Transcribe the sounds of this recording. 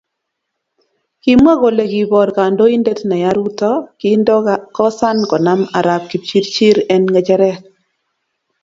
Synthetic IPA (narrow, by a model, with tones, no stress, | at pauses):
ki˨˦mwa˦ɣo˨le˨ɡi˨bɔ˨ɾka˨ndo˦i˦nde˦tna˨ja˦ɾu˦tɔ˦ki˦ndkɔ˦sa˦nkɔ˨na˦ma˨ɾa˨p̚ki˨p̚t͡ʃi˦ɾt͡ʃi˦ɾɛ˦nŋɡɛ˨d͡ʒɛ˦ɾɛ˦k